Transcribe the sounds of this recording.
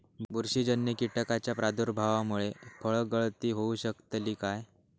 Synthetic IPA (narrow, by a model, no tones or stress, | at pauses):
buɾɕiːd͡ʑənːjəkiʈkat͡ɕjapɾad̪uɾbʱaʋamuɭefəɭɡəɭt̪iːɦouɕəkt̪liːkaj